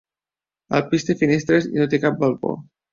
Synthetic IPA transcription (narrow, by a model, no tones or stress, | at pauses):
ə̰lpist̪efinest̪ɾezḭnot̪ekap̚balˠpo̰